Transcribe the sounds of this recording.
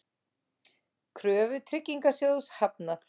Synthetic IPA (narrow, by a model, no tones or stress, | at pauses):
kʰɾœːvʏt̪ʰɾɪcːiŋkasjowshap̚naθ